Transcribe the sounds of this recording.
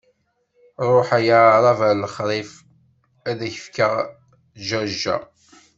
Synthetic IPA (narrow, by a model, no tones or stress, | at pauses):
ɾˤoħæjaɾˤɑvæləχɾˤif | æðæçə̥fkəʁ | ʒæʒæ̰